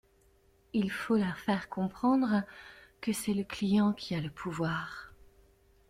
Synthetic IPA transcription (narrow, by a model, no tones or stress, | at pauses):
ilfoləfɛʁkɔ̃pχɑ̃d̪ʁkəsɛləklijɑ̃kʲʰialəpʰuvwaːʁ